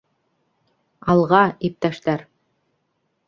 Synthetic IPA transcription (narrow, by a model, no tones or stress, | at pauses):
ɑlˠʁɑip̚t̪æʃt̪æɾ